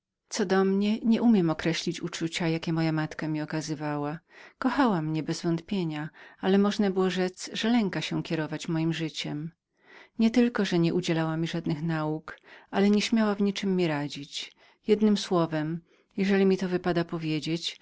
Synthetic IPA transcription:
t̪sɔd̪ɔmɲɛɲɛʔumʲjɛmɔkɾɛɕlʲit͡ɕut͡ʂut͡ɕajakʲɛmɔjamat̪kamʲiɔkazɘvawakɔxawamɲɛbɛzvɔnt̪pʲjeɲaalɛmɔʐnabɘwɔʐɛt̪sʐɛlɛŋkaɕɛkʲɛɾɔvat͡ɕmɔjimʐɘt͡ɕɛm | ɲɛt̪ɘlkɔʐɛɲɛʔud͡ʑɛlawamʲiʐad̪nɘxnaukʔalɛɲɛɕmʲjawavɲit͡ʂɘmːiɾad͡ʑit͡ɕ | jɛd̪nɘmswɔvɛm | jɛʐɛlʲimʲit̪ɔvɘpad̪apɔvʲjed͡ʑet͡ɕ

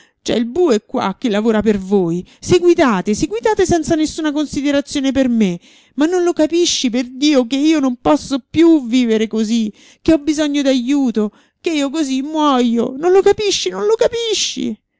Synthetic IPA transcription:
t͡ʃɛ̰ilbuekːwa̰k̟ːelːavoːɾapervoːjseɡwid̪aːt̪eseɡwid̪aːt̪esɛnt̪sanesːuːnakonsid̪eɾat̪sːjoːneperme | manːonlokapiʃːiperd̪iːokeiːonompɔsːopjuviːveɾekozi | keɔbːizɔɲːod̪ajuːt̪o | keiːokozimːwɔjo̰nonlokapiʃːinonlokapiʃːḭ

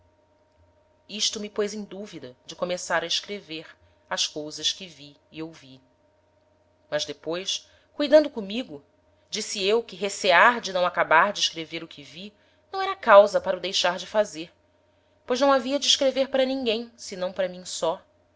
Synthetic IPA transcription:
iʃt̪ʊmɪpojzẽj̃d̪uvid̪ɐd͡ʒɪkomesaɾɐiʃkɾeveɾ | ɐʃkowzɐskɪvi | iewvi | mɐʒd̪epojs | kujd̪ɐ̃nd̪ʊkõmiɡʊ | d͡ʒisiewkɪɦeseaɾd͡ʒɪnɐ̃w̃akabaɾd͡ʒɪʃkɾeveɾʊkʰɪvi | nɐ̃w̃ɛɾɐkawzɐpaɾɐʊd̪ejʃaɾd͡ʒɪfazeɾ | pojʒnɐ̃w̃aviɐd͡ʒɪːʃkɾeveɾpaɾɐnĩŋɡẽj̃sɪnɐ̃w̃paɾɐmĩsɔ

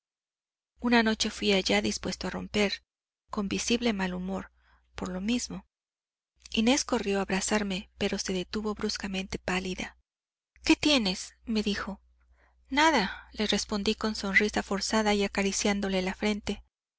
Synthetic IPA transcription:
unano̞t͡ʃe̞fwiaʝaðispwe̞st̪oaro̞̰mpe̞ɾ | ko̞mbisiβle̞malumo̞ɾ | po̞ɾlo̞mizmo̞ | ine̞sko̞rjo̞aβɾasaɾme̞pe̞ɾo̞se̞ðe̞t̪uβo̞βɾuskamẽ̞nt̪e̞paliða̰ | ke̞t̪je̞ne̞sme̞ðixo̞ | naðale̞re̞spo̞nd̪iko̞nso̞nrisafo̞ɾsaðaiakaɾisjand̪o̞le̞lafɾe̞nt̪e̞

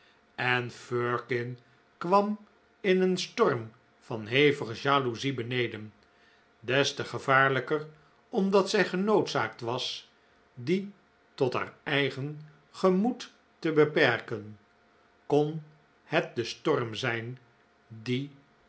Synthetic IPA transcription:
ɛnføɹkɪn | kʋɑm | ɪnənstɔrm | v̥ɑnɦejvəχəʒaːluzibənejdən | dɛstəχəvaːɹləkər | ɔmdɑtsɛjχənowtsa̰ːk̚tʋɑs | di | tɔtɦa̰ːɹɛjχən | χəmutː | əbəpɛɹkən | kɔn | hɛt̚dəstɔrmzɛjn | di

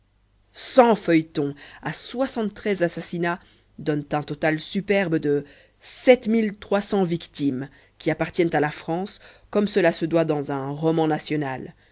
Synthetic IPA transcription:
sɑ̃fœjt̪ɔ̃aswasɑ̃t̪ːχɛzasasina | d̪ɔnt̪ɛ̃t̪ɔt̪alsypɛʁbd̪ə | sɛt̪milt̪χwasɑ̃vikt̪im | kʲiapaʁt̪jɛnt̪alafχɑ̃skɔmsəlasəd̪wad̪ɑ̃zɛ̃ʁɔmɑ̃nasjɔnal

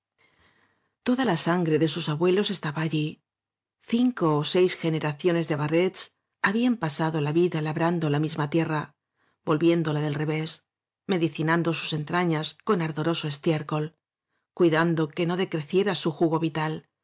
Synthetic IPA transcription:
t̪o̞ðalasaŋɡɾe̞ðe̞susaβwe̞lo̞se̞st̪aβaːʎi | θiŋko̞ːse̞jsxe̞ne̞ɾaθjo̞ne̞zðeβare̞t͡s | aβiampasaðo̞laβiðalaβɾand̪o̞lamizmat̪je̞ra | bo̞lβje̞nd̪o̞laðelre̞βe̞s | me̞ðiθinãnd̪o̞su̥se̞nt̪ɾaɲasko̞naɾðo̞ɾo̞so̞e̞st̪jeɾko̞l | kwiðand̪o̞ke̞no̞ðe̞kɾe̞θje̞ɾasuxuɣo̞βit̪al

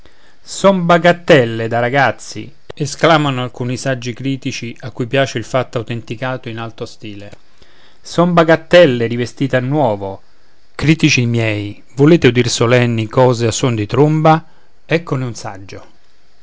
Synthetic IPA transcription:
sɔmbaɡat̪ːɛlːed̪aɾaɡat̪sːḭ | esklaːmanoalkuːnisad͡ʒːikɾiːt̪it͡ʃiakːujpjaːt͡ʃeilfat̪ːawt̪ent̪ikaːt̪oinalt̪ost̪iːle | sɔmbaɡat̪ːɛlːeɾivest̪iːt̪anːwɔːvo | kɾiːt̪it͡ʃimjɛːj | voleːt̪eud̪irsolɛnːikɔːzeasːond̪it̪ɾumba | ɛkːoneunsa̰d͡ʒːo

